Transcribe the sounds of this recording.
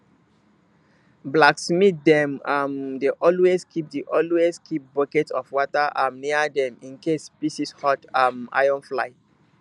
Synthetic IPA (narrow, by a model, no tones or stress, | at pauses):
blaksmit̚dɛ̃mamdeʔɔlweskʰip̚diʔɔlweskʰip̚bɔkɛtsɔfwɔtaʔãmniədɛ̃mĩnkespisishɔtamʔa̰jɔ̃nfla̰ɪ